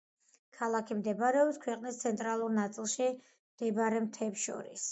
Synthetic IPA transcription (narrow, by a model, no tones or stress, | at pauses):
kʰalˠakʰimd̪ɛbaɾɛɔbskʰwɛqʼnist̪sʰɛnt̪ʼɾalˠuɾnat̪sʼilˠʃi | md̪̥ɛbaɾɛmt̪ʰɛːpsʃɔ̰ɾḭs